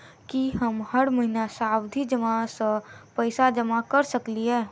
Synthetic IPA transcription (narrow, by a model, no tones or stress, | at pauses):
kiɦɐmhɐɽmɐɦɪnasaːwd̪ʱid͡ʒɐmasəpəɪsad͡ʒɐmakɐɾsɐkliɦɛː